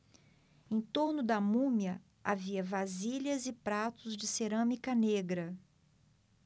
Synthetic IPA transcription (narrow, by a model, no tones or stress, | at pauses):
ẽj̃t̪oɾnʊd̪ɐmũmjɐ | a̰viɐvaziʎɐzɪpɾat̪ʊzd͡ʒɪseɾɐ̃mikɐneɡɾɐ